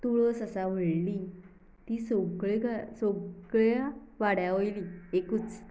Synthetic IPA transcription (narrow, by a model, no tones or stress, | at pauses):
t̪uɭəsəsaʋ̤əɭli | t̪iːsɔɡɭeɡʱasoɡɭaʋaɽjaʋojliekuːt͡s